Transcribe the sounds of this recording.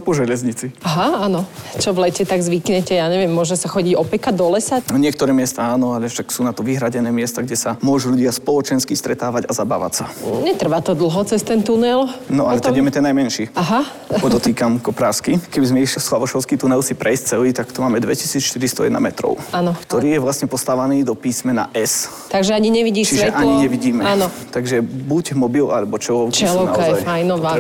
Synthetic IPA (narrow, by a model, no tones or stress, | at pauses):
pɔʒɛʎɛzɲit͡siaɦaanɔt͡ʃɔʋlɛcɛt̪aɡzʋikɲɛcɛjaːɲɛʋɪɛmːʊɔʒɛsaxɔɟiɟɔpɛkad̪ɔlɛsaɲɪɛk̚t̪ɔɾɛːmɪɛst̪aaːnɔaʎɛfʃaksuːnat̪ɔʋiɦɾaɟɛnɛːmɪɛst̪aɡɟɛsamʊɔʒuːʎuɟɪaspɔlˠɔt͡ʃɛnskist̪ɾɛt̪aːʋaɟazaba̰ːʋa̰csaɲɛt̪r̩ʋat̪ɔd̪l̩ɦɔt͡sɛst̪ɛnt̪unɛlnɔʔalɛt̪aɛmɛt̪ɛnːajmɛnʃiːaɦa | pɔd̪ɔt̪iːkamkɔpɾaːskikɛbizmɛiʃlislaʋɔʃɔʊskit̪unɛlsipɾʔɛjsct͡sɛliːt̪akt̪umaːmɛd̪ʋɛ̰cisiːt͡sʃt̪iɾist̪ɔjɛ̰d̪na̰mɛt̪ɾɔ̰ʊanɔkt̪ɔɾiːjɛʋlasɲɛpɔst̪aːʋaniːd̪ɔpiːsmɛna̰ʔɛs | t̪aɡʒɛaɲiɲɛʋiɟiːt͡ʃiʒɛʔaɲiɲɛʋiɟiːmɛanɔ | t̪aɡʒɛbuɟmɔbilalɛbɔt͡ʃɛɔʊt͡ʃɛlɔna̰ɔzajajnɔ